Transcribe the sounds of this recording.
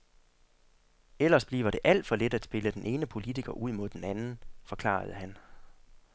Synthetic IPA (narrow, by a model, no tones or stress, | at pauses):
el̰ɐsb̥lḭːʊʋɐɾ̥e̝ʔæl̰d̥fɒ̽led̥æd̥sb̥e̝ləd̥enʔe̝ːnəpʰo̝lit͡sʰiɡ̥ɐʔuð̞̰ˠmo̝ð̞̰ˠd̥enænn̩fɒ̽kʰlɑ̰̈ːð̞̩ˠəɦæn